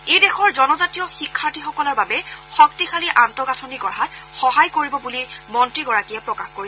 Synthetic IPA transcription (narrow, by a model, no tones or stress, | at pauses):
ejdɛxɔɹzɔnɔzatijɔxikʰːaɹtixɔkɔlɔɹbabɛxɔk̚tixʰaliʔantɔɡatʰɔniɡɔɹɦatxɔɦajkoɹibɔbulimɔntɹiɡɔɹakijɛpɹɔkaxkoɹi